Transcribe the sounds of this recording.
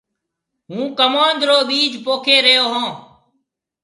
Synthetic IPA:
ɦũːkəmaːnd̪ɾoːɓiːd͡ʒʱpoːkʰeːɾəjoːɦãː

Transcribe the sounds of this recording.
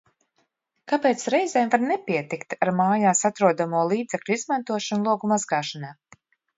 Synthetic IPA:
kapeːt̪sɾɛjzɛːmvaɾnɛpʲiɛt̪ikt̪aɾmaːjaːsat̪ɾuɔd̪amuɔlˠiːd̪zeklʲuizmant̪uɔʃanlˠuɔɡumazɡaːʃanaː

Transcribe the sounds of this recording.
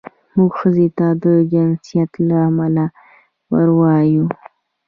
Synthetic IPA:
muɡʃəzet̪ad̪əd͡ʒɪnsijat̪laamala | wə̰ɾwɑju

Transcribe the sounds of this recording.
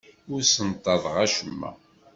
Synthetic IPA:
ʊɾsənt̪ˤːɑðˤʁæʃəmːæ̰

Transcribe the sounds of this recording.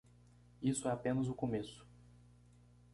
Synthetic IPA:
isʊɛapẽnɐzʊkomesʊ̥

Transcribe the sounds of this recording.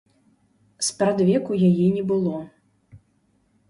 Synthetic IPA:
spɾad̪vʲɛkujajɛnʲɛbɨlˠɔ

